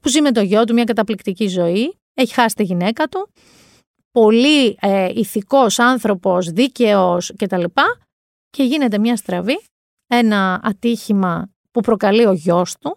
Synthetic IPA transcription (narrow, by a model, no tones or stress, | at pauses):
puzimet̪o̞ʝo̞t̪̬umɲɐkɐt̪ɐplikt̪icizo̞i | eçi̥xɐsi̥t̪iʝine̞kɐt̪u | po̞lieiθiko̞sɐnθɾo̞po̞sðice̞osce̞t̪ɐlipɐ | ce̞ʝine̞t̪e̞mɲɐst̪ɾɐvi | e̞nɐɐt̪içimɐ | pupɾo̞kɐlio̞ʝo̞st̪u